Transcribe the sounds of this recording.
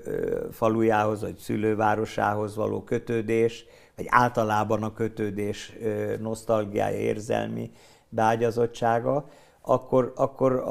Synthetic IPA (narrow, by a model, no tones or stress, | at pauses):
fɒlujaːɦo̞zʋɒcsyløːvaːɾo̞ʃa̰ːɦo̞zʋɒ̰lo̰ːkø̞t̪øːd̪eːʃ | ʋɒɟaːlt̪ɒlaːbɒnɒkø̞t̪øːd̪eːʃno̞st̪ɒlɡija̰ːjɒ̰ḛːrzɛ̰lmḭ | bɛaːɟɒzo̞t͡ʃt͡ʃːaːɡɒ | ɒkːo̞rɒkːo̞ɾ